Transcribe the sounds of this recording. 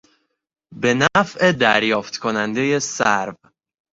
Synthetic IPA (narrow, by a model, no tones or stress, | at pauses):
be̞næfʔe̞d̪æɾjɒːft̪kʰonænd̪eje̞sæɾv